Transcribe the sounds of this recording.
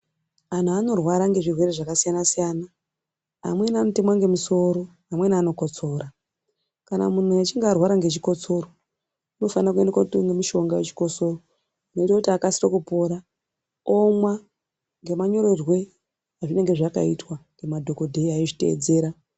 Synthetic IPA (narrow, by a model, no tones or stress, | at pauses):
an̤uano̞rwaɾaŋɡe̞ʐirwe̞reʐakasijanasijana | a̰mwe̞namute̞mwaŋɡe̞miso̞ɾo̞ɦamwe̞naːno̞ko̞t͡so̞ːɾa | kana̰mun̤ujat͡ʃiŋɡarwaɾaŋɡet͡ʃiko̞t͡so̞ɾo | ino̞fanirak̬ue̞ndekwatŋɡemiʃo̞ŋɡajet͡ʃi̥ko̞so̞roː | no̞itakutiakasirokupo̞ɾa | omwa | ŋɡe̞maɲo̞ɾorwe̞ | aʐine̞ŋɡe̞ʐaka̰itwaŋɡe̞madʱo̞ko̞dʱe̞iaiʐite̞̰ːd͡ze̞ːɾa